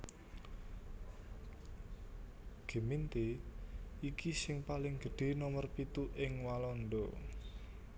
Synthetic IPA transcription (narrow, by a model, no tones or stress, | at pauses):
ɡ̥e̤mint̪e | ikisɪŋpalɪŋɡ̥ə̤ɖ̥e̤nɔmərpit̪uʔɪŋwalɔnd̪ɔ